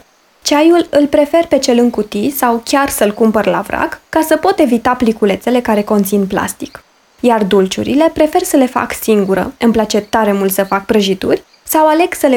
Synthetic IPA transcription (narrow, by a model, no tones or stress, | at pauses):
t͡ʃajulɨlpɾe̞fe̞rpe̞t͡ʃe̞lɨŋkut̪isawkʲarsəlkumpərla̰vɾa̰kːasəpo̞t̪e̞vit̪aplikule̞t̪se̞le̞kaɾe̞ko̞nt̪sinpla̰st̪i̥k | jard̪ult͡ʃṵɾḭle̞pɾe̞fe̞rsəle̞fa̰ksiŋɡuɾə̰ɨmplat͡ʃe̞t̪aɾe̞mult̪səfak̚pɾəʒit̪urʲ | sawale̞ɡsəle